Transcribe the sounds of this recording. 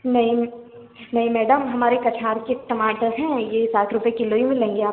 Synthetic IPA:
nɐɦĩ | nɐɦĩmɛːɖəmɦɐmaːɾekɐt͡ʃʰaːɾkeʈɐmaːʈəɾzɦɛ̃jesaːʈʰɾʊpjekɪloːjĩmẽlɐɦẽːŋɡeaːp

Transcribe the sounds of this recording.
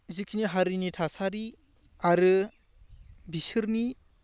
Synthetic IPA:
zikʰiniɦaɾinitʰasaɾi | aɾɯ | bisɯɾni

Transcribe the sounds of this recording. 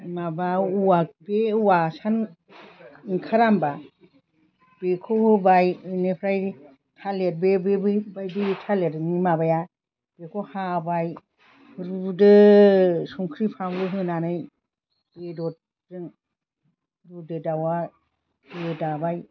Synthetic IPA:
mabauwabeuwasan | iŋkʰaɾamba | b̥ekʰohɯbajɯnepʰɾaj | tʰalet̚bebebɯjbajditʰaletɯnimabaja | b̥ekʰɔhabaj | ɾudɯ | suŋkʰɾipʰaŋlɯɦɯnanɯj | b̥edɔt̚ | dɯŋ | ɾudɯdawa | dedabaj

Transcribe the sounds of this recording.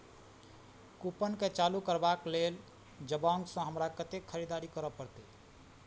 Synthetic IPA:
kupənket͡ʃalukəɾbaklel | d͡ʒəbaŋɡsə̃ɦəmɾakət̪ekʰːəɾid̪aɾikəɾəpəɾt̪i

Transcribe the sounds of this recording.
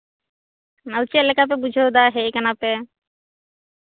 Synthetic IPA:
nawt͡ʃelɛkap̬ɛbud͡ʒʱed̪aɦeikanape

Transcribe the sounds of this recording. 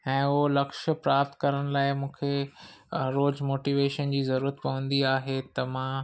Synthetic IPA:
ɛ̃ːʊɦolɐkʃpɾaːp̚t̪kɐɾəɽ̃̆laːɪmũːkʰe | ɾoːd͡ʑmoːʈiːʋeːʃənd͡ʑiːzɐɾuːɾət̪pɐʋə̃nd̪iaːɦet̪ɐmã

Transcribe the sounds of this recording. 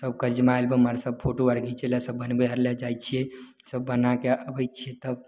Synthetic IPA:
səb̚kəɾd͡ʒmaelbeməɾsəb̚pʰoʈoəɾɡit͡ʃʰelasəbːənbəəɾlɛd͡ʒajt͡ʃʰiɛ | səbːənakeəbəjt͡ʃʰiɛt̪əb̚

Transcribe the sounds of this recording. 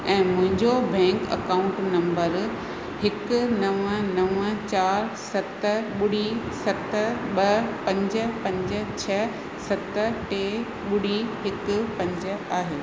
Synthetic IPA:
ɛ̃ːmʊ̃ɦɪ̃ɲd͡ʑobɛ̃ːŋkɐ̰kaːʊ̃ɳʈnɐ̃mbəɾ | hɪkʊ̆nɐʋə̃nɐʋə̃t͡ɕaːɾsɐt̪əɓʊɽ̤i | sɐt̪əɓɐpɐ̃ɲd͡ʑə̆pɐ̃ɲd͡ʑə̆t͡ɕʰɛ | sɐt̪əʈeː | ɓʊɽ̤iɦɪkʊ̆pɐ̃ɲd͡ʑaːɦeː

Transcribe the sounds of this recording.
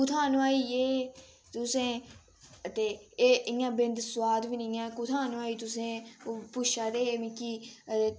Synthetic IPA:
kʊt̪ʰaːnaːiːeː | t̪ʊsẽː | ət̪eːɪjãːbɪ̃nd̪swaːd̪ʋinĩːjãːkʊt̪ʰãːnʋaːiːt̪ʊsẽːopʊʃaːɾeːeːmĩːkiːəeː

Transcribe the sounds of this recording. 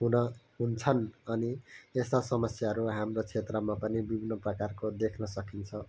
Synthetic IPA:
ɦunʌɦunt͡sʰʌnʌniest̪asʌmʌsjaɦʌɾuɦamrot͡sʰet̪rʌmapʌnibibʱinːʌprʌkarkod̪ekʰnʌsʌkint͡sʰʌ

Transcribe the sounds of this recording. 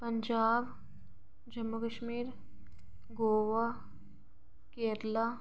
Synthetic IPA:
pɐɲd͡ʒaːb | d͡ʒɐmːukəʃmiːɾ | ɡoːʋa | keːɾlaː

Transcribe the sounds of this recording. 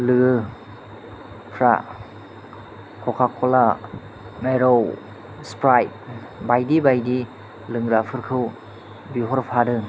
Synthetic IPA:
lɯɡɯ | pʰɾa̰ | kʰɔkʰakʰɔla | meɾow | spɾajt̚ | bajdibajdi | lɯŋɾapʰɯɾkʰɯw | biɦɔɾpʰadɯ

